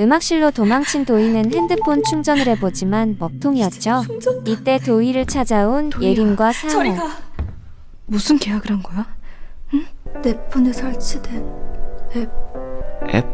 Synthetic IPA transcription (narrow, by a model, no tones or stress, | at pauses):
ɯmak̚ɕ͈iɭːotomaŋt͡ɕʰintoinɯnhendɯpʰont͡ɕʰuŋd͡ʑʌnɯɾe̞bod͡ʑimanmʌk̚tʰoŋiʌt̚t͡ɕ͈oit͈e̞toiɾɯɭt͡ɕʰad͡ʑaunjeɾimɡwasʰaŋe | musʰɯnkeaɡɯɾanɡʌja | tepʰːunesʰʌɭt͡ɕʰide | e | ḛp̚